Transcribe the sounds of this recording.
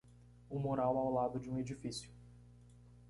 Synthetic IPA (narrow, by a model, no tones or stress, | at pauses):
ʊmoɾawawlad̪ʊd͡ʒɪũed͡ʒifisjʊ